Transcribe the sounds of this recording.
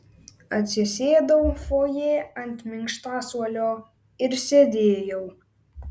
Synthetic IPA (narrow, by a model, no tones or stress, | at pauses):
ɐt̪ʲsʲɪsʲeːd̪ɐwfoːjeːɐnʲt̪ʲmʲɪŋkʃt̪ɑːsuɔlʲoː | ɪɾsʲɛd̪ʲeːjɛʊ